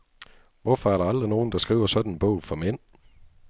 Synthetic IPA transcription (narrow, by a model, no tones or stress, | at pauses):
ʋɒfɒæɐɾɑ̈ɑld̥ʁino̝ːn̩d̥ɑ̈sɡ̥ʁḭːʊɐsɒ̽d̥n̩enb̥ɔ̽ʊ̰fɒ̽men̰